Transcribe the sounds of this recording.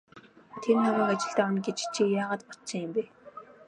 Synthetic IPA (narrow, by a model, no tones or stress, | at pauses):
t̪ʰeɾnaɣəːkat͡ɕɪ̆ɬt̪æːɔnɡet͡ɕt͡ɕʰiːjaːʁaːt̪pɔt̪sĭŋɪmpe